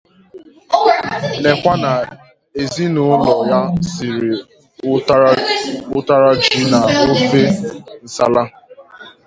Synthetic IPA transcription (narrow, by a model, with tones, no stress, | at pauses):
ne˨kʷa˦na˨ | e˨zi˦nʊ˦lɔ˨ja˦sɪ˨ɾɪ˨˦ | a˦ | ʊ˦ta˦ɾa˦d͡ʒi˦na˨o˦fe˦n̩˨sa̰˦la˦